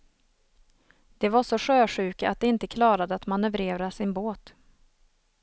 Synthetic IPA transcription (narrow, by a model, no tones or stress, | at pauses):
d̪̥ɛvaʂɔʂøːʂʉ̟ːkaʔa̰t̪̚d̪ɛɪnt̪əkʰlɑːɾad̪əat̪manɵvɾeːɾasɪnboːt̪